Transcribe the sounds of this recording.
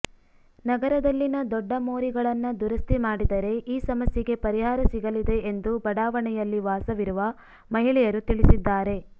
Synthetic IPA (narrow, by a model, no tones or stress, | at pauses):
nɐɡɐɾɐd̪ɐlːinɐd̪ɔɖːɐmoːɾiɡɐɭɐnːɐd̪uɾɐst̪imaːɽid̪ɐɾe̞ʔiːsɐmɐsjɛɡe̞pɐɾiɦaːɾɐsiɡɐlid̪e̞end̪ubɐɽaːʋɐɳɛjɐlːiʋaːsɐʋiɾuʋɐ | mɐɦiɭɛjɐɾut̪iɭisid̪ːaːɾe̞